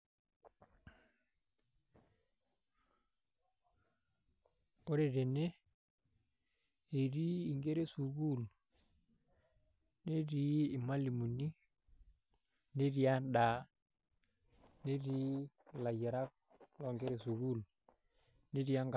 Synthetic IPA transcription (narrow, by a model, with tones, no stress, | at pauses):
o˦ɾe˨ɾe˨ne˦ | e˨ɾiː˦˨ŋɡe˦ɾe˦su˨ɡu˦˨l | ne˦ɾi˦ɪ˨ma˦li˨mu˨ni˦ | ne˦ɾi˨a˦ɗa˨ | ne˦ɾi˦ | la˨je˨ɾa˦k̚ | lɔ˨ŋɡe˦ɾe˨su˨ɡu˦˨l | ne˦ɾi˦a˦ŋɡ